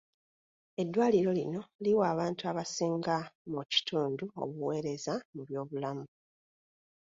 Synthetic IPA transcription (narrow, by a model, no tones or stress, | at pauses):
e̞dːwaːliɾo̞lino̞liwaːβaːntuaβasiːŋɡamuci̥tʰuːnduo̞̰βuwe̞ːɾe̞zamuβjo̞ːβulamu